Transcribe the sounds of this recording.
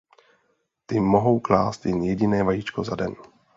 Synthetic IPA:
t̪ɪmoɦo̞wklaːst̪jɛnjɛɟɪnɛːvajit͡ʃkozadɛn

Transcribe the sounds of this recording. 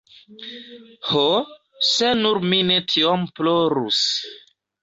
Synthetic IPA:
ho | senuɾminetʰiomploɾṵs

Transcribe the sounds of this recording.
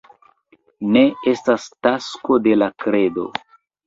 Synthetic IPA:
ne̞e̞stastasko̞de̞lakɾe̞do̞̰

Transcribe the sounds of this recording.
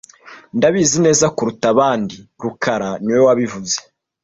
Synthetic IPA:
ndaβiːzine̞ːzakuɾutaβaːndiɾukaɾaniwowaβivuze

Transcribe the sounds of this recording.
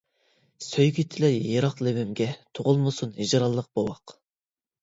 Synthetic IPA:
søjɡʲit̪ʰɪlɛjeɾɑqlɪwymɡʲɛt̪ʰoʁʊlˠmɨsunid͡ʒɾɑlˠːəq̚b̥owɑq

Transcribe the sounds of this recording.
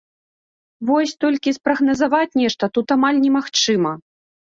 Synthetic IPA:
vɔsʲt̪ɔlʲkʲispɾɐɣnɐzavat͡sʲnʲɛʂt̪ɐt̪ut̪amalʲnʲɛmaxt͡ʂɨmɐ

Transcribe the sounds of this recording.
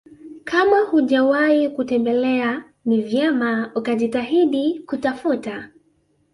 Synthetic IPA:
kamahuʄawaikutɛmbɛlɛa | nivjɛmaukaʄitaɦiɗikutafuta

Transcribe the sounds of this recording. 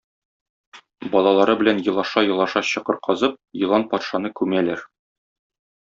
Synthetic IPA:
bɒlˠɑlˠɑɾɤbɘ̆lænjɤ̆lˠɑʃɑjɤ̆lˠɑʃɑɕɤ̆qɤɾ̚qʰɒzɤp̚jɤ̆lˠɑnpɒt̪ʃɑnɤkʉmælæɾ

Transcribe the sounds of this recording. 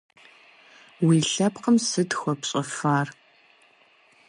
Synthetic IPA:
wiːɬɐpqəmsɨtxʷɔpɕʼɐfaːr

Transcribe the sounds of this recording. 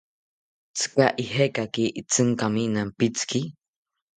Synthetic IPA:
t͡sɨ̥kaʔiɦekakiʔit͡sɨŋkaminampit͡ski

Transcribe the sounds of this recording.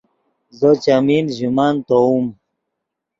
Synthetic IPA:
zot͡ɕaminʑumant̪oum

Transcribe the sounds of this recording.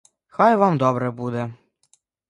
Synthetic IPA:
xajʋamd̪ɔbɾɛbud̪ɛ

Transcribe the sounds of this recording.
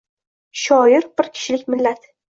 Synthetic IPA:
ʃɒjɪɾbɪɾkʲʰɪ̥ʃɪlɪkʲmɪlːat̪

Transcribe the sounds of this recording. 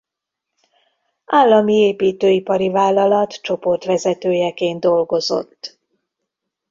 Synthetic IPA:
aːlːɒmieːpiːt̪øːipɒɾivaːlːɒlɒt̪t͡ʃo̞po̞rt̪ʋɛzɛt̪øːjɛkeːnd̪d̪o̞lɡo̞zo̞̰t̪ː

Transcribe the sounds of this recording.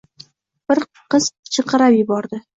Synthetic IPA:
b̥ɪɾ | qɨzt͡ʃʰɨqʰɨɾapjɪbɒɾd̪ɪ

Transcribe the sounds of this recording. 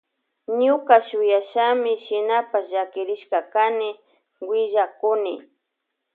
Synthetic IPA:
ɲʊkaʃʊjaʃamɪʃɪnapasʒakɪɾɪʃkakanɪ | wɪʒakʊnɪ

